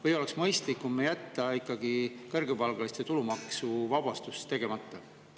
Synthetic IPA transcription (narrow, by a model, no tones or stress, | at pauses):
vɤjo̞le̞ksmɤjst̪likːumːejæt̪ːˑɑikːˑɑɡ̥ikɤrɡepɑlɡ̥ɑlist̪e̞t̪ulumɑksuvɑb̥ɑst̪ust̪e̞ɡ̥e̞mɑt̪ːˑɑ